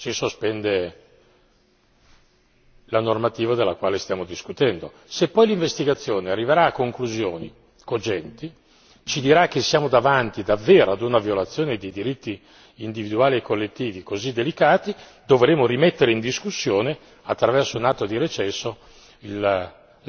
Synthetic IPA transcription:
t͡ʃisospɛnd̪e | lanormat̪iːvad̪elːakwaːlest̪jaːmod̪iskut̪ɛnd̪o | sepːɔjliɱvest̪iɡat̪sːjoːnearːiveɾaːkːoŋkluzjoːni | kod͡ʒɛnt̪i | t͡ʃid̪iɾak̟ːesːjaːmod̪avant̪id̪avːeːɾoad̪unavjolat̪sːjoːned̪id̪iɾit̪ːiː | nd̪ivid̪uaːliekːolːet̪ːiːvikozid̪ːelikaːt̪i | d̪ovɾeːmoɾimet̪ːeɾeind̪iskusːjoːne | at̪ːɾavɛrsounat̪ːod̪iɾet͡ʃɛsːo | il

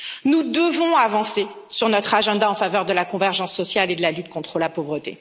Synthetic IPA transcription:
nud̪əvɔ̃avɑ̃se | syʁnɔt̪χaʒɑ̃d̪aɑ̃favœʁd̪əlakɔ̃vɛʁʒɑ̃sːɔsjaled̪əlalyt̪kɔ̃t̪χəlapovʁət̪ḛ

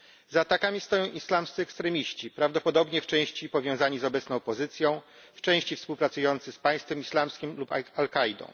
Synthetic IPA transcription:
zat̪akamʲist̪ɔjɔ̃w̃ʔislamst̪sɨɛkst̪ɾɛmʲiɕt͡ɕipɾavd̪ɔpɔd̪ɔbɲɛft͡ʂɛ̃w̃ɕt͡ɕipɔvʲjɔ̃w̃zaɲizɔbɛt̪snɔ̃w̃pɔzɘt̪sʲjɔ̃w̃ft͡ʂɛ̃w̃ɕt͡ɕifspuwpɾat̪sujɔnt̪sɘspaj̃st̪fɛmislamskʲimlupalkajd̪ɔ̰̃w̃

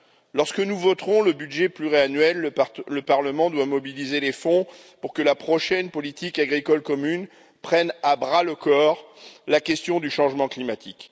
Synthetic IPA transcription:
lɔʁskənuvɔt̪χɔ̃ləbydʒɛplyʁeanɥɛlləpaʁləmɑ̃d̪wamɔbilizelefɔ̃ | puʁkəlapχɔʃɛnpɔlit̪ikaɡʁikɔlkɔmyn | pχɛnabʁaləkɔʁlakʲɛst̪jɔ̃d̪yʃɑ̃ʒmɑ̃klimat̪ʰik

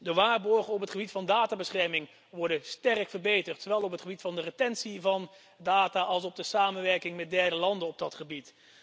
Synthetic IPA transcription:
dəʋaːɹbɔɹχənɔpɦətχəbitfɑndaːtaːbəsχɛɹmɪŋ | ʋɔɹdənstɛrəkfəɹbejtərtsowʋɛlˠɔpɦətχəbitfɑndərətɛnsivɑn | daːtaːɑlˠs̬ɔb̚dəsaːmənʋɛɹkɪŋmɛt̚dɛɹdəlɑndənɔb̚dɑtχəbit

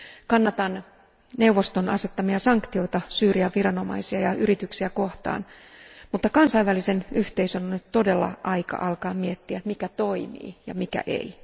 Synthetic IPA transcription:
kɑnːɑt̪ɑn | ne̞uʋːo̞st̪onɑse̞t̪ːɑmiɑsɑŋkt̪io̞it̪ɑsyːriɑʋirɑno̞mɑ̰isiɑjɑʔyɾit̪yksiæko̞ht̪ɑ̰ːnmut̪ːɑkɑnsɑiʋʋælisenyht̪eisønonyt̪t̪o̞delːɑ̰ʔɑikɑ̰ʔɑlkɑːmiet̪ːiæmikæt̪o̞imḭːjɑ̰mikæ̰ʔḛi

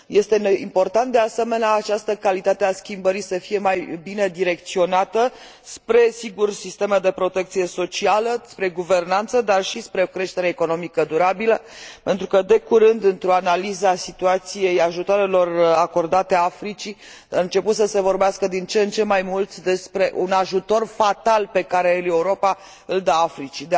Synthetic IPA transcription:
je̞st̪e̞impo̞rt̪ant̪̚d̪ease̞me̞neaːt͡ʃast̪əkalit̪at̪easkʲimbəɾisəfije̞majbine̞d̪iɾe̞k̚t̪sio̞nat̪ə | spɾe̞siɡursist̪e̞med̪e̞pɾo̞t̪e̞kt̪sije̞so̞t͡ʃialəspɾe̞ɡuve̞rnant̪səd̪arʃispɾeokɾe̞ʃt̪e̞ɾeːko̞no̞mikəd̪uɾabiləpe̞nt̪ɾukəd̪e̞kuɾɨnd̪ɨnt̪ɾo̞analizəasit̪uat̪sije̞jaʒut̪oaɾe̞lo̞rako̞rd̪at̪eaafɾit͡ʃi | aɨnt͡ʃe̞put̪səse̞vo̞rbeaskəd̪int͡ʃent͡ʃe̞mːajmult̪d̪e̞spɾe̞ʔunaʒut̪o̞rfat̪alpe̞kaɾe̞ɨle̞uɾo̞pa | ɨld̪aafɾit͡ʃid̪

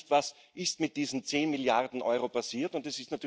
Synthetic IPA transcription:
tvas | ʔɪstmɪt̚d̥iːzn̩t͡seːnmɪljaʁdn̩ʔɔ̰ʏʁopʰasiːɐtʊntɛsɪstnatyː

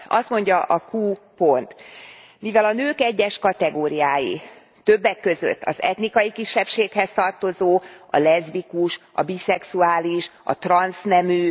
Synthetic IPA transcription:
ɒst̪mo̞ɲɟɒʔɒkuːpo̞nt̪ | mivɛlɒnøːkɛɟːɛʃkɒt̪ɛɡoːɾijaːjḭ | t̪ø̞bːɛkːø̞zø̰t̪ːɒ̰zɛt̪nikɒjikiʃːɛpʃeːkhɛst̪ɒrt̪o̞zoːɒ̰lɛzbikuʃɒ̰bisɛksuaːliʃɒ̰t̪rɒnsnɛmy

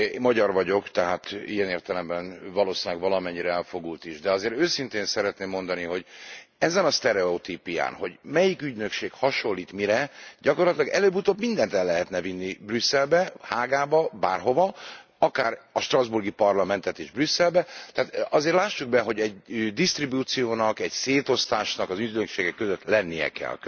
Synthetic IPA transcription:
mɒɟɒrvɒɟo̞kt̪ɛɦaːt̪ḭjɛneːrt̪ɛlɛmbɛnvɒloːsiɛɡʋɒlɒmɛɲːiɾɛɛlfo̞ɡult̪iʒd̪ɛɒzeːɾøːsint̪eːnsɛɾɛt̪neːmːo̞nd̪ɒniɦo̞ɟɛzɛnɒst̪ɛɾɛot̪iːpija̰ːnho̞ɟmɛjikyɟnø̞kʃeːkhɒʃo̞lːiːt̪miɾɛɟɒko̞rlɒt̪ilɒɡɛløːbut̪oːbmind̪ɛnt̪ɛlːɛɦɛt̪nɛvinːibrysːɛlbɛhaːɡaːbɒba̰ːrɦo̞vɒ | ɒkaːɾɒʃt̪rɒzburɡipɒrlɒmɛnt̪ɛt̪eːʒbrysːɛlbɛt̪ɛaːt̪ɒzeːɾtlaːʃːuɡ̚bɛɦo̞ɟɛɟd̪ist̪ribuːt̪sijoːnɒkɛɟseːt̪o̞st̪aːʃnɒkɒzyɟnøkʃeːɡɛkːøzøt̪lɛnːijɛ̰kɛ̰l

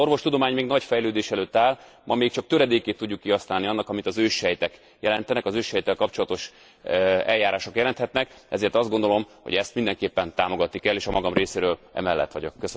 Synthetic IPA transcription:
o̞rʋo̞ʃt̪ud̪o̞maːɲmeːɡnɒɟfɛjløːd̪eːʃɛløːt̪ːaːl | mʔɒmeːk̚t͡ʃɒk̚t̪øɾɛd̪eːkeːt̪ːuɟːukːiɦɒsnaːlniɒnːɒkɒmit̪ɒzøːʃhɛjt̪ɛk | jɛlɛnt̪ɛnɛkɒzøːʃhɛjt̪ːɛlkɒpt͡ʃo̞lɒt̪o̞ʃ | ɛljaːɾaːʃokjɛlɛnt̪hɛt̪nɛkɛ̰zeːrt̪ɒzd̪ɡo̞nd̪o̞lo̞mho̰ɛst̪mind̪ɛŋkeːpːɛnt̪aːmo̞ɡɒt̪nikɛlːeːʃɒmɒɡɒmreːseːɾøːlɛ̰mɛlːɛ̰t̪ːʋɒ̰ɟo̰kːøs

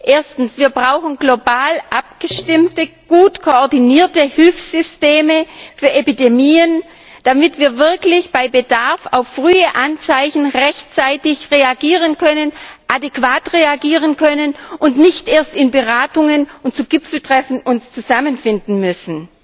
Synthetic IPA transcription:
ʔeːɐstn̩sv̥iːɐbʁaʊxn̩ɡlobaːlʔap̚ɡ̥əʃtɪmtəɡ̥uːtkʰoɔɐdiniːɐtəhɪlfsz̥ʏsteːməfyːɐʔepidemiːən | d̥amɪtv̥iːɐvɪɐklɪçb̥aɪbədaɐfa̰ʊfːʁ̥yːəʔant͡saɪçn̩ʁɛçtt͡saɪtɪçʁeaɡiːʁ̞ənkʰœnənʔadekv̥aːtʁeaɡiːʁənkʰœnənʔʊntnɪçtʔeːɐstɪnbəʁaːtʊŋənʊnt̚t͡suɡɪp͡fl̩tʁ̥ɛfn̩ʔʊnst͡suzamənfɪndn̩mʏsn̩

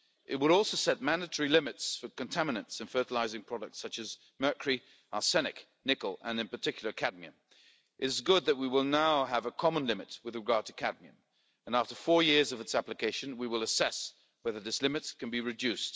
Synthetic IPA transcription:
ʔɨt̚wəɾɔlˠsoʊsɛt̚mæ̃ndɨtʰɛɹilɪ̃mɨtsfə˞kɨ̃ntʰæmɨnɨ̃ntsɨ̃nfɜ˞ɾəlaɪzɪ̃ŋpʰɹ̥ɑɾɨk̚tsʌt͡ʃɨz | mɜ˞kʰəɹi | ɑsɛnɨk | nɪkl̩ˠə̃nɨ̃npə˞tʰɪkʰjl̩ˠə˞kʰæd̚miɨ̃m | ʔɨɾɨzɡʊd̪̚ðɨt̚wiwɪlˠnaʊəvəkʰɑmə̃nlɪ̃mɨt̚wɨðɹɨɡɑɹd̚tʰɨkʰæd̚miɨ̰̃m | ə̃næftə˞fɔɹjɪɹzʌvɨtsæplɨkʰeɪʃɨ̃nwiwəlˠəsɛs | wɛðə˞ðɪslɪ̃mɨt̚kʰɨ̃n̩biɹɨdʉst

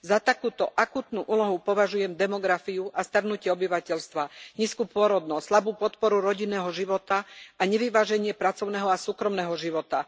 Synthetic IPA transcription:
zat̪akuːt̪ɔʔakuːt̪nuːʔuːlɔɦupɔʋaʒujɛmd̪ɛmɔɡɾafiuʔast̪aɾnucɪɛɔbiʋacɛʎst̪ʋaɲiːskuːpʊɔɾɔd̪nɔsslabuːpɔt̪pɔɾuɾɔɟinːɛːɦɔʒiʋɔt̪aaɲɛʋiʋaːʒɛɲɪɛpɾat͡sɔʊnɛːɦɔasuːkɾɔmnɛːɦɔʒiʋɔt̪a

